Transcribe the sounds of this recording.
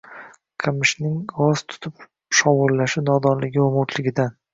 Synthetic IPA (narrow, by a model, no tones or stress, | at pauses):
qʰɨmɪʃnɪŋɡɒz̥t̪ʰʊ̥t̪ʰʊp | ʃɒwʊlːaʃɪnɒd̪ɒnlɪɡʲɪomʊt̪ʰlɪɡʲɪd̪an